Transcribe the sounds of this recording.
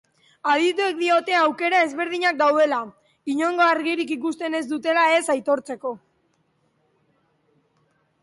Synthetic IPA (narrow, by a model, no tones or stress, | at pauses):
að̞it̪ue̞k̚d̪io̞t̪e̞awke̞ɾae̞zβe̞ɾðiɲak̚d̪awðe̞la | iɲo̞ŋɡo̞aɾɣiɾikikust̪e̞ne̞zd̪ut̪e̞lae̞sajt̪o̞ɾt͡se̞ko̞